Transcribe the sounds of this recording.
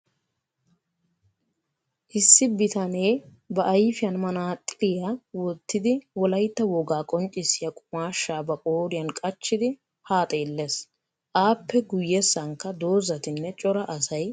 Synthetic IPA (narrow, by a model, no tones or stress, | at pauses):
ʔɪsːɪbɪt̪ɐne̞ː | bɐʔɐjfɪjɐnmɐnaːt̪ʼːɪlɪjawɔt̪ːɪd̪ɪwɔlɐjt̪ːɐwɔɡaːkʼɔnt͡ʃʼɪsːɪjakʼʊmaːʃːaːbɐkʼoːɾɪjɐnkʼɐt͡ʃːɪd̪ɪ | haːt̪ʼeːlːes | ʔaːpːɛɡʊjːɛsːɐŋkːɐd̪o̞ːzɐt̪ɪnːɛt͡ʃʼɔɾɐʔɐsɐj